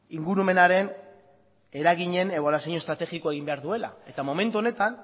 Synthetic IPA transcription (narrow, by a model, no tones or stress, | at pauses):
iŋɡuɾume̞naɾe̞n | e̞ɾaɣ̞iɲe̞ne̞β̞o̞lasiɲost̪ɾat̪e̞ɣiko̞e̞ɣimbe̞aɾðue̞la̰e̞t̪amo̞me̞nt̪uo̞ne̞t̪an